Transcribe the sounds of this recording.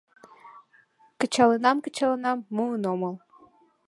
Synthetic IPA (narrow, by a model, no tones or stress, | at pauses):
kə̆t͡ɕɑlˠɤnɑmkə̆t͡ɕɑlˠɤ̆nɑmːuənomɤlˠ